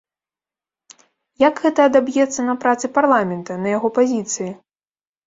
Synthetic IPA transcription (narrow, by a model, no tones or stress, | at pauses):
jakɣɛt̪ɐːd̪abjɛt̪sːɐnɐpɾat̪sɨparlˠamʲɛnt̪ɐnɐjaɣɔpazʲit̪sɨji